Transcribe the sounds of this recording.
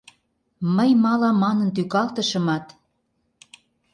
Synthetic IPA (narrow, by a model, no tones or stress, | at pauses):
məjmɑlɑmɑnə̆nt̪̬ykɑlt̪ə̆ʃə̆mɑt̪